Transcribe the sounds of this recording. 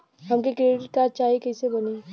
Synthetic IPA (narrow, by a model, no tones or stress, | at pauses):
ɦɐmkekɾeːɖɪʈ̚kaːt͡ʃaːikɐːsebɐne